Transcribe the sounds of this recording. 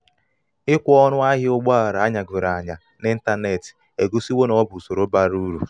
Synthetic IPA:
ɪ˦kʷɔ˦nʊ˦a˦ɦɪ˦ʊ˦ɡ͡bɔ˦a˨ɾa˨a˦ɲa˨ɡʊ˨ɾa˨ɲa˨ | nɪ˦n̩˦ta˦ne˨ti̥˨ | e˨ɡu˦si˦we˦nɔ˦bʊ˨so˨ɾo˦ba˦ɾu˦ɾṵ˨

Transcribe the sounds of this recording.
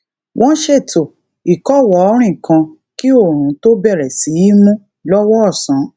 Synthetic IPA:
wʔɔ̃˦ʃe˦˨to˨ | i˨kɔ˦˨wɔ˨˦ɔ˧˦ɾ̃ĩ˦˨kã˧ | ki˦o˦˨ɾ̃ũ˨˦to˦bɛ˦˨ɾɛ˨si˨˦ji˦mũ˦ | lɔ˦wɔ˦ɔ˦˨sã˨˦

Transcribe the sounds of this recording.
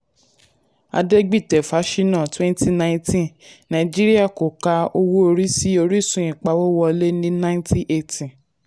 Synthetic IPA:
a̰˧de˦ɡ͡bi˦˨tɛ˨fa˨˦ʃi˦nã˦˨twɛ̃˦nti˦nã˧ĩ˧˦tĩ˦˨nã˨d͡ʒi˦ɾi˦a˦˨ko˨ka˧o˧wo˦o˧ɾi˦si˦o˧ɾi˦˨sũ˨ĩ˨k͡pa˨˦wo˦wɔ˧le˦nĩ˦nã˦tʰĩ˦ʔe˧tĩ˨

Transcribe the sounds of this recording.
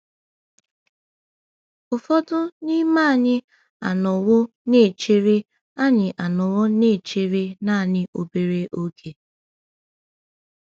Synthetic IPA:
ʊ˨fɔ˦dʊ˦ni˦ma˦˨ɲɪ˦ | a̰˨nʊ˨wʊ˦ | ne˦˨t͡ʃe˦ɾi˦ | a˦ɲɪ˨ʔa˨nʊ˨wʊ˦ne˦˨t͡ʃe˦ɾe˦na˦˨ɲɪ˦ʔo˨be˨ɾe˦ʔo˦kʰe˨

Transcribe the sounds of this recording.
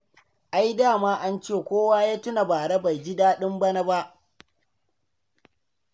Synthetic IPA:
ʔa˦jdaː˦˨maː˦ʔa˦nt͡ʃeː˦˨kʷoː˦waː˦jaː˦tʊ˦na˨baː˨ɽɐ˦ba˨jd͡ʒɪ˦daː˦ɗɪ˦mbɐ˦na˦ba˦ʔ

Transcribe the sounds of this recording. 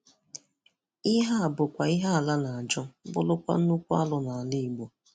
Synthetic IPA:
i˦ɦa˦a˨bʊ˨kʷa˨i˦ɦa˦a˨la˦na˨a˨d͡ʒɔ˦bʊ̰˦lʊ˦kʷa̰˦n̩˦nu˦kʷu˦a̰˦lʊ˨na˨a˨li˦i˨ɡ͡bo˨

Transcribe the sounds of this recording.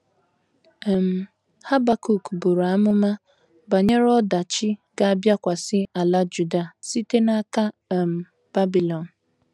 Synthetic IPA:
m̩˨ | ha˦ba˨ku˦˨kbu˨ɾa˨a˦mʊ˦ma˦ | ba˨ɲe˦ɾɔ˦da˨t͡ʃɪ˦ɡa˦a˦bja˦kʷa˨sɪ˦a˨la˦d͡ʒu˨da˦˨si˦te˦na˦ka˦˨m̩˨ | b̥a˦bi˨lɔ˨n̩˨

